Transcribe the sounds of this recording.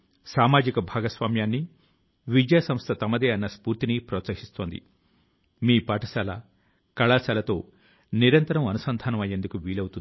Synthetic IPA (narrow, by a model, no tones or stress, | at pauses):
saːmaːd͡ʒikɐbʱaːɡɐsʋaːmjaːnːi | ʋid͡ʒasɐmst̪ʰɐt̪ɐmɐd̪eːɐnːɐspuːɾt̪inipɾɐːt̪sɐɦist̪o̞ːnd̪ḭ | miːpɐːʈɐsɐlɐ̰ | kɐɭaːsɐlɐt̪o̞ː | niɾɐnt̪ɐɾɐmɐnusɐnd̪ʱaːnɐmɐjːe̞ːnd̪ukuʋiːlɐwut̪un